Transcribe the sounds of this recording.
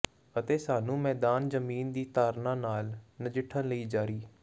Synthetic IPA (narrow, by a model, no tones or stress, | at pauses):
ət̪eːsaːnũːmɛːd̪aːnzəmiːnd̪iːt̪aːɾnãːnaːlnəd͡ʒɪʈʰːənləiːd͡ʒaːɾiː